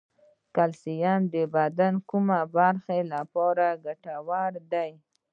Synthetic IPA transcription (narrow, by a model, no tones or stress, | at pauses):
kalsijand̪əbad̪ankumabaɾxelapɑɾaɡaʈawaɾd̪aj